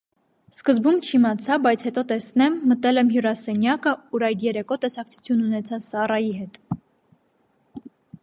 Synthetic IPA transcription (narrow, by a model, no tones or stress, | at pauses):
skəzbumt͡ʃʰimɑt͡sʰɑbɑjt͡sʰhɛt̪ɔt̪ɛsnɛmːət̪ɛlɛmɦjuɾɑsɛnjɑkəuɾɑjd̪jɛɾɛkɔt̪ɛsɑkt͡sʰu̥t͡sʰjununɛt͡sʰɑt͡ssɑrɑjiɦɛt̪